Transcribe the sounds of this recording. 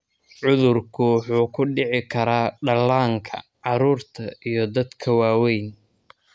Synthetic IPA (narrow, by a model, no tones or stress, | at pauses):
ʕʊðʊrkʰʊwħuːkʰʊɖɪʕɪkʰɐɾaːɖɐlaːŋkʰɐ̰ʕɑɾuːrt̪ʰɐijɞd̪ɐd̪kʰɐwaːwɛjn